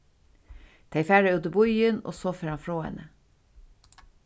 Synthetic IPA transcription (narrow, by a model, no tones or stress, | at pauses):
t̪ʰæɪfæːɾəʉd̪əbʊjəno̰ːsoːfəɾɑnfɾoːɛ̰nə